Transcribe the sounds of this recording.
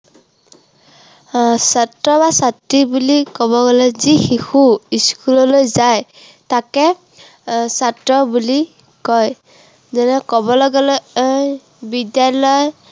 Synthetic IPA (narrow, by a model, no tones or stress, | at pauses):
satɹɔbasatɹibulikɔbɔɡalɔzixixuiskulɔlojzaj | takɛ | satɹɔbuli | kɔj | zɔnɛkɔbɔlɔɡalɔj | bidjalɔj